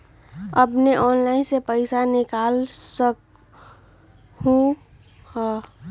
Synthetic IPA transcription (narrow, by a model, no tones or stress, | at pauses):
əpneʔɔːnlaɪnsepəɪsanɪkaːlsək | hũ | hɔ